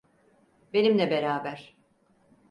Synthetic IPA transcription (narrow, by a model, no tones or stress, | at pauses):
be̞nimlʲɛbe̞ɾaːbæɾ̥